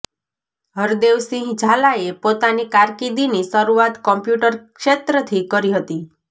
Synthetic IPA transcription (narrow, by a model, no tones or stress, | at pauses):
ɦəɾd̪eʋsĩɦd͡ʒʱalaepot̪anikaɾkid̪inisəɾuat̪kɔmpjuʈəɾkʃet̪ɾət̪ʰikəɾiɦət̪i